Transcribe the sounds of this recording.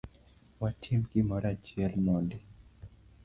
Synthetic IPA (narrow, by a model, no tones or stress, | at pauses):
watʰimkimɔɾad͡ʒiɛlmɔndi